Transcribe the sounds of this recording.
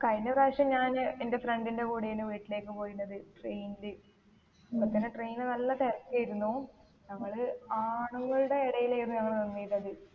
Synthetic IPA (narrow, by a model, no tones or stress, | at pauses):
kɐjnɐɾaːʂjɐmɲaːnende̞freɳɖindekuːɽijinɨʋiːʈːile̞ːkːɨpo̞ːjunːɐðɨʈrejnilɨ | ɐpːɐt̪ːɐnɨʈrejnilnɐlːɐt̪ejrɐkːiajiɾunːu | nɐŋːɐɭaːɳuŋːɐɭuɽe̞ːɽɐjilejriɐŋːɐɳenɐnːijilɐðɨ